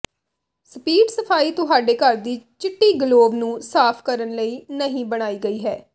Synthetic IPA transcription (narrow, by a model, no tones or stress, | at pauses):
səpiːɖsəpʰaːiːt̪ʊɦaːɖeːkəɾd̪iːt͡ʃɪʈːiːɡəloːbnũːsaːpʰkəɾənləiːnəɦĩːbəɽ̃aːiːɡəiːɦɛː